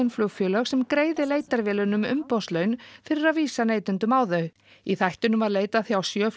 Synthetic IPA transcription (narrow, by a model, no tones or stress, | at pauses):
nflʏwfjœːlœɣsɛmkɾeːjðɪleːjt̪aɾvɪːlʏnʏmʏ̰mpɔwst̪lœːɥnfɪɾɪɾaðviːsaneːjt̪ʏnt̪ʏmaːwðœɥ | iθajht̪ʏnʏmvaɾleːjt̪aθjawsjœːf